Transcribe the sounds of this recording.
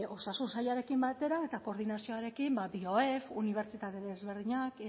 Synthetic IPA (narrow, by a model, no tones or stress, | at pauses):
o̞sasunsajaɾe̞kimbat̪e̞ɾae̞t̪ako̞ɾðinasio̞aɾe̞kimbabioefuniβ̞e̞ɾt͡ʃit̪at̪e̞ðe̞zβe̞ɾð̞iɲak